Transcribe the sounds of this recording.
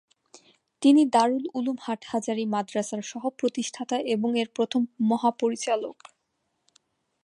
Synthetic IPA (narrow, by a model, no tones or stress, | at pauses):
t̪inid̪aɾululumhaʈʰhad͡ʑaɾimad̪ɾasaɾʃɔɦopɾot̪iʃʈʰat̪aʔeboŋeɾpɾot̪ʰomːɔɦapoɾit͡ɕalok